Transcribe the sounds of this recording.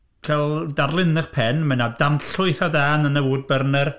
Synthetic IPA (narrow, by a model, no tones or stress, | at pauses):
kʰɛlˠdarlˠɪnɨχpʰɛnmɛnadanɬʊɨθadaːnənəvuːd̚bərnɛr